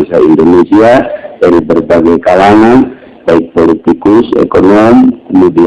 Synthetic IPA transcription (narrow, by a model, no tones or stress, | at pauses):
saḭndɔnesiadaɾibərbaɡajkalaŋan | baik̚pɔlit̪ikusɛ̰kɔnɔmkəmudi